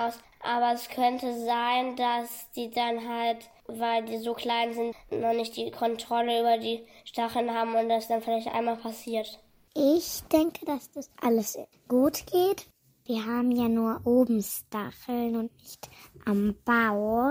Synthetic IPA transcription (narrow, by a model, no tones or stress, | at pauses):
aʊs | ʔaːβɐɛskʰœntʰəzaɪndasd̥iːdanɦalt | vaɪldiːzoːkʰl̥aɪnzɪntnɔχnɪçt̚d̥iːkʰɔntʁ̥ɔləyːbɐdiːʃtaχl̩nhaːbm̩ʊnt̚d̥asd̥anfɪlaɪçtʔa̰ɪnmaːlpʰasiːɐt | ʔɪçd̥ɛŋkʰədasd̥asʔaləs | ɡ̥uːtɡ̥eːt | viːɐɦaːbm̩jaːnuːɐʔoːbm̩staxl̩nʊntnɪçtʔamb̥aʊ